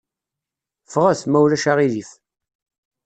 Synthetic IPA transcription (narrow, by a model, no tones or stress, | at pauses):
fʁæθmæwlæʃaʁiðif